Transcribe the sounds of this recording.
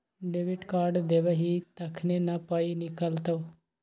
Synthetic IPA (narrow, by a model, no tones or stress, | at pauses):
ɖeʋiʈkaːɾɖd̪eʋeɦit̪əkʰnenapainɪkəlt̪o